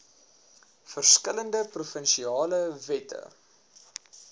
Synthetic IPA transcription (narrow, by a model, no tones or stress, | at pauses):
fərskələndəprufənʃiɑːləvɛtə̰